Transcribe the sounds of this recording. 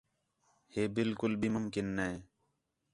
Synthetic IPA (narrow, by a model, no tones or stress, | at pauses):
heːbɪlkʊlbʱiːmʊmkɪnːeeː